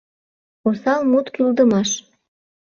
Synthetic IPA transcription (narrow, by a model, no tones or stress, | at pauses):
osɑlmut̪kyld̪əmɑʃ